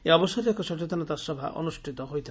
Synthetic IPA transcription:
eɔbɔsɔɾiɔkɔsɔt͡ʃet̪ɔnat̪asɔbʱa̰ʔɔ̰nusʈʰit̪ɔɦojt̪ʰi

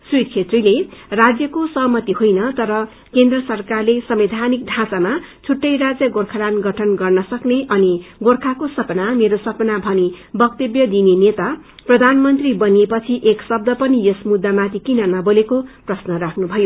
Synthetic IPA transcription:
srut̪̚kʰet̪rilerad͡zjʌkosʌɦmʌt̪iɦojnʌt̪ʌɾʌ | kend̪rʌsʌrkarlesʌmbed̪ʱanik̚ɖʱãsama | t͡sʰuʈːʌjrad͡zjʌɡorkʰaɾanɡʌʈʰʌnɡʌrnʌsʌkneʔʌniɡorkʰakosʌpnameɾosʌpnabʱʌnibʌk̚t̪ʌbjʌd̪inenet̪aprʌd̪ʱanmʌnt̪ribʌnepʌt͡sʰiʔeksʌb̚d̪ʱʌpʌnijʌsmud̪ːamat̪ikinʌnʌbolekoprʌsnʌrakʰnubʱʌjo

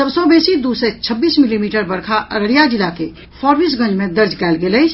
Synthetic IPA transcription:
səbsɔ̃besid̪uset͡ʃʰəbːiːsmilimiːʈəɾbəɽkʰaʔəɾəɽijad͡ʒilake | fʰɔɾbiːs̬ɡə̃nd͡ʒmẽd̪əɾd͡ʒkɛːlɡeləjt͡ʃʰ

